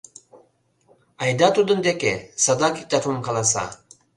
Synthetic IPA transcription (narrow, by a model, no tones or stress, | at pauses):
ajd̪at̪ʰud̪ɨnd̪ekesad̪akit̪at̪ʰumkʰɑlˠas̬a̰